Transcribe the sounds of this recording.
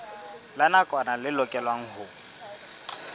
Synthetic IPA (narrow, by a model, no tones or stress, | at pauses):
lanakʼɔnalɪlɔkʼɛlwaŋ̩ɦʊ